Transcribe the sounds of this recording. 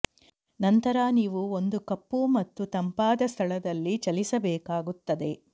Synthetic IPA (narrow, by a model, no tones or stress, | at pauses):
nɐnt̪ɐɾaːniːʋuond̪ukɐpːumɐt̪ːut̪ɐmpaːd̪ɐst̪ʰɐɭɐd̪ɐlːit͡ʃɐlisɐbɛːkaːɡut̪ːɐd̪e̞